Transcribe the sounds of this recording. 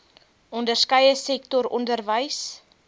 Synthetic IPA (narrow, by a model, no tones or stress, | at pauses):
ɔndərskəjəsɛktɔɾɔ̰ndərvəjs